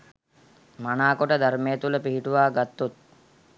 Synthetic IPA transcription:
manaːkoʈəd̪aɾmejət̪uləpiɦiʈuʋaːɡat̪ːut̪̚

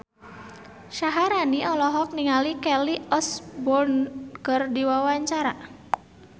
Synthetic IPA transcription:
ʃaɦaɾaniɔlɔɦɔk̚niŋalikɛliɔsbɔrnkərdiwawaɲt͡ʃaɾa

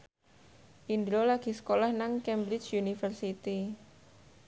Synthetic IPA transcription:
ʔind̪ɾolaɡ̥i̤sə̥kolahnaŋkɛmbɾɪt͡ʃunifərsit̪i

